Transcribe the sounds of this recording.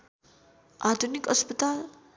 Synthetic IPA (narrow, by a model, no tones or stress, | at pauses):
ad̪ʱunikəspət̪al